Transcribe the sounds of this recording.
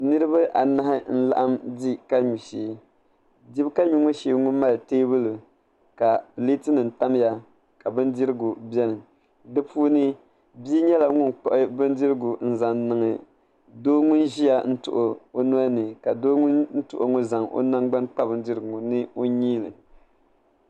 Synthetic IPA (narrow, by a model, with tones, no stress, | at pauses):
nɨ˦ɾɨ˦βa˦ʔa˨na˦hɪ˦n̩˦la̰˨ʔa˦mdi˦ka˦ɲu˨ʃiː˨ | di˦bka˦ɲu˦ŋo˦ʃe˨˦ŋʊ˦nma˦lteː˦bɨ˦lɨ˨ | ka˨pɨ˨liː˦tɨ˦nɨ˨n̩˨ta˦m˦ja˦ | ka˨bɨ˦ndi˦ɾɨ˦ɡu˨bɛ˦nɨ˨ | dɨ˦puː˦nɨ˦ | bi˦ɲɛ˦la˨ŋʊ˦nk͡pɔ˦˨ʔɪ˦bɨ˦n˦dɪ˦ɾɨ˦ɡʊ˨n̩˦za˨nnːɨ˨ŋɨ˨ | doː˦ŋʊ˦nʒi˦ja˨n̩˦tʊ̰˨ʔʊ˨o˦nu˦a˦nɨ˨ka˨doː˦ŋʊ˦nn̩˦tʊ̰˨ʔo˨ŋʊ˦za˨ŋʔo̰˦na˦ŋɡ͡ba˦nk͡pa˦bɨ˨n˦dɪ˦ɾɨ˨ɡŋʊ˨nɨ˦o˦ɲiː˦lɨ̰˨